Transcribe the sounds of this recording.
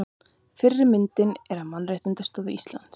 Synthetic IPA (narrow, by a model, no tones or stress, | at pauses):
fɪrːɪɾmɪnt̪ɪnɛɾamanrejht̪ɪnt̪ast̪ɔːvɪʔist̪la̰nt̪s